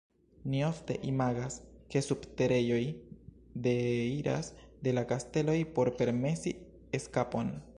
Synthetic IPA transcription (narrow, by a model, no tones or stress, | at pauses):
nio̞fte̞̰ʔimaɡaske̞subte̞ɾe̞jo̞j | de̞iɾa̰sde̞lakaste̞lo̞jpo̞ɾpe̞ɾme̞si | eskapo̞n